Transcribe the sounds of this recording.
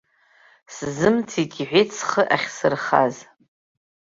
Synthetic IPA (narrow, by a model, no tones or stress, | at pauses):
szɨmt͡sʰitʲʼiħʷɪt͡sʰχəʔaχʲsɨrχa̰z